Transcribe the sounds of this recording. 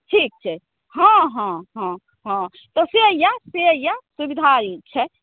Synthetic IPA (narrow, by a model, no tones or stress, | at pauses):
ʈʰik̚t͡ʃʰɛ | ɦãɦãɦã | ɦã | t̪ɔseəjaseəjasubid̪ʱait͡ʃʰɛ